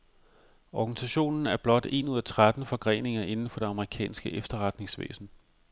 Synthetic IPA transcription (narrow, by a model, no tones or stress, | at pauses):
ɒɡ̥ænisæɕo̝̰ːnn̩æɐb̥lɒ̽d̥e̝̰ːnuðˠæt͡sʰʁad̥n̩fɒ̽ɡ̥ʁɛ̰ːne̝ŋɐʔe̝nn̩fɒ̽d̥e̝ɑ̈məʁikʰɛ̰ːnsɡ̥əʔefd̥ɐʁad̥ne̝ŋsʋḛːsn̩